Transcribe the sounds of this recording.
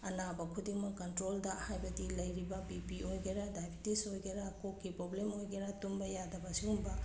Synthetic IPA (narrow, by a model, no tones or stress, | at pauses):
ɐnabɐkʰudiŋmɐkɐntɾoldɐhajbɐdilɐjɾibɐbipiʔojɡeɾadajbʰʱitisojɡeɾakokːipɾoblemojɡeɾatumbɐjadɐbɐsiumbɐ